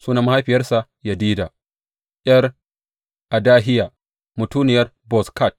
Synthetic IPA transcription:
suː˦naː˨ma˦ha˦jɸɪ˨jɐ˦rsa˨ | jɐ˨diː˦daː˨ | ʔʲjɐ˦r | ʔa˨daː˦ɦɪ˦jaː˨ | mʊ˨tuː˦nɪ˨jɐ˦r | bɔ˨ska˦˨t̚

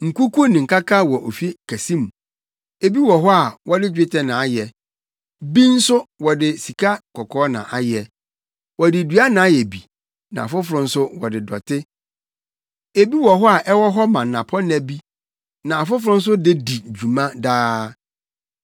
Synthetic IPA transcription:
ŋ̩˨ku˦ku˦nɪ̃˨ŋ̩˨ka˦kʰa˦wɔ˨ʔo˨fi˦kʰæ˨sĩ˦mũ˨ | e˨bi˦wɔ˨ɦɔ˦a˨wɔ˦dɪ˦d͡ʑᶣɪ˦tʰɛ˦nã˨a˦jɛ˨ | bi˦n̩˦sʊ˦wɔ˨dɪ˨si˨kʰa˦kʰɔ˨kʰɔː˦nã̰˨ʔa˨jɛ˨ | wɔ˨dɪ˨dɥa˦nã˨˦jɛ˨bi˨ | nã̰˨fʊ˦fʊ˨ɾʊ̃˦n̩˦sʊ˦wɔ˨dɪ˨dɔ̰˨tʰɪ˦ | e˨bi˦wɔ˨ɦɔ˦a˨ʔɛ˦wɔ˦ɦɔ˦mã˨n˨nã˨pʰɔ˦n˦æ˨bi˦ | nã˨a˨fʊ˦fʊ˦ɾʊ̃˦n̩˦s̬ʊ˦dɪ˦di˨d͡ʑᶣu˨mã˦daː˦

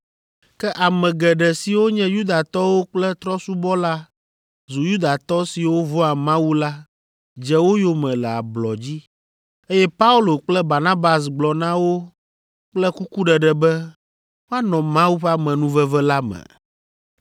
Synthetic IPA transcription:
kɛ˦ʔa˨mɛ̃˨ɡɛ˨ɖɛ˨si˨wo˦ɲɛ̃˦ju˦d̪a˨t̪ɔ˦wo˦k͡plɛ˦t̪ɾɔ˦su˦bɔ˦la˦ | zu˨ju˦d̪a˨t̪ɔ˦si˨wo˦vɔ˦a˨mã˦wu˦la˦ | d͡ʒɛ˨wo˦jo˦mɛ̃˨lɛ˨a˨blɔ˨d͡ʑi˦ | e˦jɛ˦pa˦u˦lo˨k͡plɛ˦ba˨ɾnã˦ba˨s̬ɡ͡blɔ˨nã˦wo˦ | k͡plɛ˦ku˦ku˦ɖɛ˨ɖɛ˨bɛ˦ | wo˦a˦nɔ̃˨mã˦wu˦ɸɛ˦a˦mɛ̃˨nũ˦vɛ˦vɛ˦la˦mɛ̰̃˨

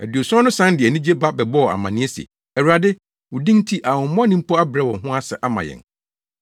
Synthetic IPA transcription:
æ˨dɥo˨sʊ˦ɔ̃˦nʊ̃˦sã˦ndɪ˨æ˨nĩ˦d͡ʑe˦ba˦bɛ˨bɔ˦˨a̰˨mã̰˨nɪ̃˦ɛ˦si˨ḛ˨ | ɛ˨wu˨a˨dɪ˦ | wʊ˨dĩ˦ŋ˦tʰi˦ʔa˨wʊ̃˨m˦m˦ɔ̃˦nĩ˦m̩˦pʰɔ˦a˦bɪ˨ɾɛ˦wɔ̃˨ɦʊ̃˦a˦sɛ̰˨ʔa˦mã̰˨jɛ̰̃˨n

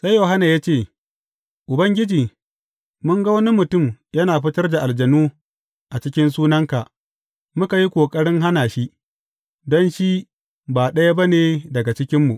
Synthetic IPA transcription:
sa˦jːo˨ɦa˦naː˨jaː˦t͡ʃeː˦˨ | ʔʊ˨bɐ˦ŋɡʲɪ˦d͡ʒiː˨ | mʊ˦ŋɡa˦wɐ˦ni˦mʊ˨tʊ˦˨mjɐ˦naː˨ɸɪ˦tɐ˦rda˨ʔa˨ld͡ʒɐ˨nuː˦ | ʔa˨t͡ʃɪ˦kʲɪ˦nsuː˦nɐ˦ŋka˨ʔ | mʊ˦ka˨ji˦kʷʼoː˨kʼɐ˦ɽɪ˦ŋɦa˦naː˨ʃi˦ | dɔ˦nʃi˦ | baː˨ɗɐ˦ja˦ba˦neː˨dɐ˨ɡa˨t͡ʃɪ˦kʲɪ˦mːu˨ʔ

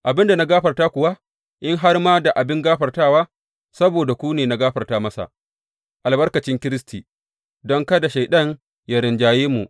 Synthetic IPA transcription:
ʔa˨bɪ˦nda˨na˦ɡaː˦ɸɐ˨rtaː˦kʷʊ˨wa˦ | ʔɪ˦ŋɦa˦rmaː˦da˨ʔa˨bɪ˦ŋɡaː˦ɸɐ˨rtaː˦˨waː˦ | sɐ˦boː˨da˨kʷu˦neː˨na˦ɡaː˦ɸɐ˨rtaː˦mɐ˦sa̰˨ | ʔa˨lbɐ˦rkɐ˨t͡ʃɪ˦ŋkʲɪ˦ɾɪ˦stiː˨ | dɔ˦ŋkɐ˦da˨ʃa˨jɗɐ˦n | ja˦ɾɪ˨nd͡ʒaː˨jeː˦mṵ˨ʔ

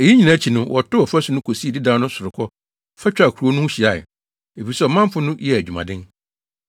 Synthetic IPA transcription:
e˨ji˦ɲĩ˨nã˨˦t͡ɕʰi˨nʊ̃˦wɔ˨tʊ˦ɔ˨fæ˦su˨nʊ̃˦kʰo˨si˦e˨di˦dã˨˦nʊ̃˦sʊ˨ɾʊ˨kʰɔ˦ | fɛ˦t͡ɕᶣa˨kʰu˨ɾu˨o˦nʊ̃˦ɕi˨a˨ɪ̰˨ | e˨fi˨i˨sɛ˦ɔ˨mã˦m˦fʊ˦nʊ̃˦jɛ˨æ˨d͡ʑᶣu˨mã̰˨dɪ̃˦n

